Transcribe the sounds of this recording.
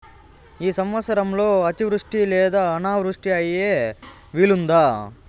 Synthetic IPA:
iːsɐmʋɐsɐɾɐmloːɐt̪iʋɾuʂʈileːd̪ɐːnaːʋɾuʂʈijaːjije | ʋiːlund̪aː

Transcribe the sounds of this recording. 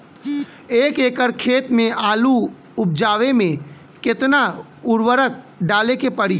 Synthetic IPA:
eːkeːkəɾkʰeːt̪mẽaːlu | ʊp̚d͡ʒaːʋemẽ | kɪt̪na | ʊɾwəɾək̚ | ɖaːlekepəɽiː

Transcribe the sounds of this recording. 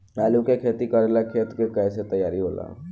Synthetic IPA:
mɛːlũkekʰeːt̪ikəɾelakʰeːt̪kekɛːset̪əjaːɾiɦoːla̰ː

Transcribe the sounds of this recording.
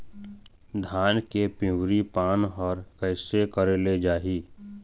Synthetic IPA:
d̪ʱaːnkepɪ̃wɾipaːnɦɔːɾkəɪsekəɾeled͡ʒaːɦi

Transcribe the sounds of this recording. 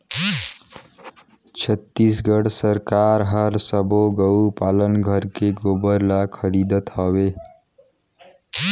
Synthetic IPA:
t͡ʃʰət̪ːisɡəɽsəɾkaɾɦəɾsəbʱoɡəwpalənɡʱəɾkeɡobəɾlakʰəɾid̪ət̪ɦʌbe

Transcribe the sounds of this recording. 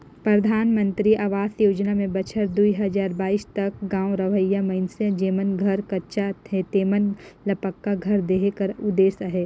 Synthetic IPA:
pɾɐd̪ʱaːnmə̃nt̪ɾiʔaːʋaːsjoːd͡ʒnamẽbɐt͡ʃʰəɾd̪uiɦɐzaːɾbaːist̪ɐk̚ɡãːwɾɐʋəjamɐɪnsə̃d͡ʒeːmənɡʱɐɾkɐʃat̪ʰet̪eːmənlɐpəkːaɡʱɐɾd̪eːɦkɐɾʊd̪eːsəɦeː

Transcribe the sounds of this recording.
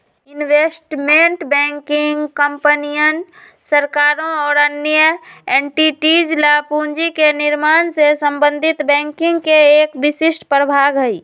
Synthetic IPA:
ɪnweːsʈmẽɳʈbɛ̃ːŋkɪŋɡkəmpənijənsəɾkaːɾõɔːɾənjjəeːɳʈiʈid͡ʒlaːpũːɲd͡ʒikenɪɾmaːnsesəmbə̃nd̪ʱɪt̪bɛ̃ːŋkɪ̃ŋɡkeeːkbɪsɪʃʈpɾəbʱaːɡɦəiː

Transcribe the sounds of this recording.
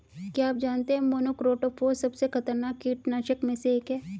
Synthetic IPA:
kjaːaːp̚d͡ʒaːnt̪eɦɛmoːnokɾoːʈoːpʰoːsɐbsekʰɐt̪əɾnaːkːiʈnaːʃəkmẽseeːkɦɛː

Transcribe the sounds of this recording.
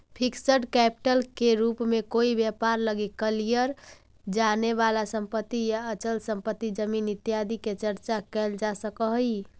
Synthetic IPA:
pʰiksəɖkɛpi̥ʈəlkeɾupmekoibjəpaɾləɡikəlijəɾ | d͡ʒaneβalasəmpət̪ːijaət͡ʃəlsəmpət̪ːid͡ʒəminit̪jad̪iket͡ʃəɾt͡ʃakɛld͡ʒasəkəɦi

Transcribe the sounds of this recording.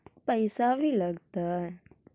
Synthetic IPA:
pəjsaʋiləɡt̪aɾ

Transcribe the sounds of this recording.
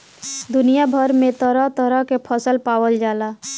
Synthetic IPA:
d̪unijabʱəɾmet̪əɾət̪əɾəɦkepʰəsəlpawəld͡ʒala

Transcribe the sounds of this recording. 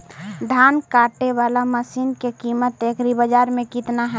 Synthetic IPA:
ɖʱaːnkaːʈːeʋaːlaməsiːnkekiːmət̪eːkɾibəd͡ʒaːɾmẽkɪt̪naɦɛ

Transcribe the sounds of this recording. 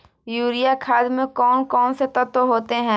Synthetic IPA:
juːɾijakʰaːd̪mẽkɔːnkɔːnset̪ɐt̪oɦoːt̪eɦɛ̃ː

